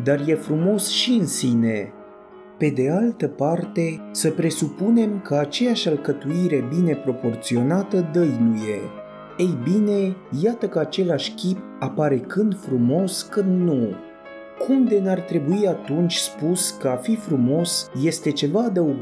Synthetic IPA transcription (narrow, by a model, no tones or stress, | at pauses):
d̪arjefɾumo̞sʃiɨnsine̞ | pe̞d̪e̞alt̪əpart̪e̞səpɾe̞supune̞mkəat͡ʃe̞jaʃʲalkət̪uiɾe̞bine̞pɾo̞po̞rt̪sio̞nat̪əd̪əjnuje̞ | ejbine̞jat̪əkəat͡ʃe̞laʃʲkʲip̚apaɾe̞kɨnd̪fɾumo̞skɨnd̪nu | kʰumd̪e̞nart̪ɾe̞buiat̪unt͡ʃʲspuskəafifɾumo̞sje̞st̪e̞t͡ʃe̞vaːd̪əuɡ